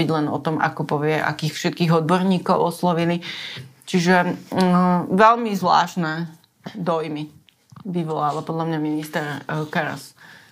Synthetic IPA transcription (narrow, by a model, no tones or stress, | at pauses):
iɟlɛnɔ̰t̪ɔmʔa̰kɔpɔʋɪɛʔa̰kiːxfʃɛt̪̚kiːɣɔd̪̚bɔɾɲiːkɔʊɔslɔʋilit͡ʃiʒɛ | ʋɛlmizʋla̰ːʃnɛː | d̪ɔjmi | ʋiʋɔlaːʋapɔd̪lamɲaminist̪ɛɾkaɾa̰s